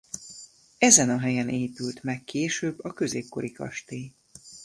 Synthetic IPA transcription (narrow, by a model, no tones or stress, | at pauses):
ɛzɛnɒɦɛjɛnʔeːpylt̪mɛkːeːʃøːbːɒkø̞zeːp̚ko̞̰ɾikɒ̰ʃt̪iː